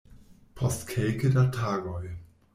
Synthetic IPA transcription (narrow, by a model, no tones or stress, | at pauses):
pʰɔstkʰɛlkədatʰaːɡɔj